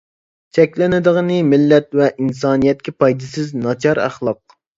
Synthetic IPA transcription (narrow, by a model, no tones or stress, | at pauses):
t͡ʃʰɛkʲlɪnɪd̪əʁənɨmɪlːɛt̪vɛʔins̬ɑːnijɛt̪̚kʲɛpɑjd̪ɪsɪznɑt͡ʃʰɑɾæ̰χlˠɑq̚